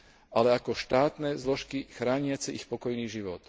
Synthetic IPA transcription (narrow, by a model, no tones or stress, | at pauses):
alɛakɔʃt̪aːt̪nɛzlɔʃkixɾaːɲɪat͡sɛixpɔkɔjniːʒiʋɔt̪